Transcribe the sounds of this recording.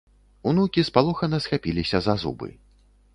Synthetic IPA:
unukʲispalˠɔxɐnɐsxapʲilʲisʲɐzazṵbɨ̰

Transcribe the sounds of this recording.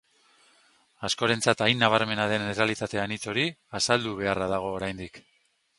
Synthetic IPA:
asko̞ɾe̞nt͡sat̪ajnːaβ̞aɾme̞naðe̞neralit̪at̪e̞anit͡so̞ɾiasald̪uβ̞e̞araðaɣ̞o̞ːɾajnd̪ik

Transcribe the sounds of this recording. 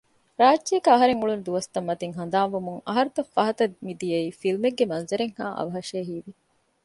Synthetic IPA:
ɾaːdːiɐkɐɦɐɾeŋuɭund̪uʋɐst̪ɐmːɐt̪iŋɦɐnd̪aːmʋumuŋɐɦɐɾut̪ɐfːɐɦɐt̪ɐd̪mid̪ijɐiːfilmeɡːemɐnzɐɾeŋhaːʔɐ̰ʋɐɦɐʃeːɦiːʋi

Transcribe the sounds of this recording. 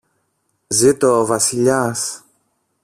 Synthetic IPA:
zit̪ovɐsiʎas

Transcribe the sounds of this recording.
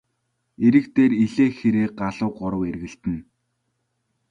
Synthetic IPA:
eɾɘ̆kt̪eːriɮeːxeɾeːɢaɮʊːɢɔɾə̆werɣɘ̆ɬt̪ɘ̆n

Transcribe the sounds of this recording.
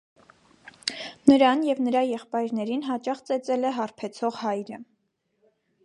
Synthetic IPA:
nəɾɑnjɛvnəɾɑjɛχpɑjɾnɛɾinɦɑt͡ʃɑχt͡sɛt͡sɛlɛɦɑrpʰɛt͡sʰɔʁhɑjɾə

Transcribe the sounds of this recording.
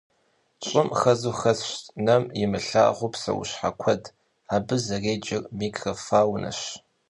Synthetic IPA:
t͡ʃʼɪmxɐzuxɐsɕnɐmjɪmɨɬa̰ːʁʷʊpsɐ̰wʊ̰ɕħa̰kʷʰɐd | aːbɨzɐreːd͡ʒɪrmiːɡrɐfaːwnʔɐ̰ɕ

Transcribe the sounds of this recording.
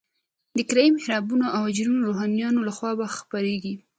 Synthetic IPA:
d̪əkɾajimhɪɾɑbunoʔawd͡ʒnunoɾoɦɑnjɑnolaxwɑbaxpaɾeɡi

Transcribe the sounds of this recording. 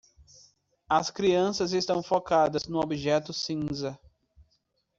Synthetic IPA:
ɐskɾiɐ̃sɐzest̪ɐ̃w̃fokad̪ɐznʊobiʒɛt̪ʊsĩzɐ

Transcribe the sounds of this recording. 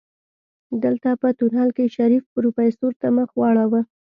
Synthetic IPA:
d̪əlt̪apət̪uɾhɑlkeʃaɾifɾupajst̪oɾt̪aməxwɑɽawə

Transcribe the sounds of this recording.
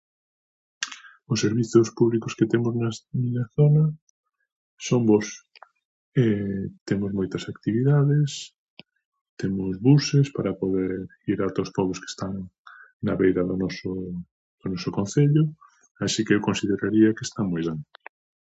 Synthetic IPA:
ʊsːeɾβiθʊspuβlikʊsket̪emʊznamiɲɐθonɐ | sombɔs | ɛt̪emʊzmojt̪ɐsakt̪iβiðaðes | t̪emʊzβusespaɾɐpoðeɾ | iɾat̪ospɔβʊske̥st̪aŋnaβejɾɐðʊnɔsʊ | ð̥ʊnɔsʊkon̟θeʎʊ | asikeewkõnsiðeɾaɾiɐkest̪aŋmojðan

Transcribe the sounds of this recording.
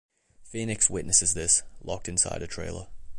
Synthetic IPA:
finɪkswɪʔⁿnəsɨzðɪslɒ̰k̚tɨ̃nsa̰ɪɾɨtʰɹ̥ḛɪlˠə̰

